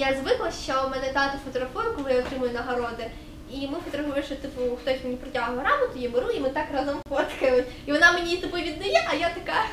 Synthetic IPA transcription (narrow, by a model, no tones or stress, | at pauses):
jazʋɪklˠɐʃt͡ʃɔmɛnɛd̪at̪ʊfɔt̪ɔɾɐfɔrkʊmjɛɔt̪ɾɪmʊjʊnɐɦɐɾɔd̪ɪ | imɪfɔt̪ɔɾɐfɔjʲɪʃɔt̪ɪpʊxt̪ɔsʲmenʲipɾɔtʲaɦɐɐɾɑbɔt̪ʊjibeɾuimɪt̪ɑkrɑzɔmpɔt̪kɐmʊ | iʋɔnɑmenʲit̪ɪpʊjʋʲid̪̚nɐjɛʔɐjat̪ɐka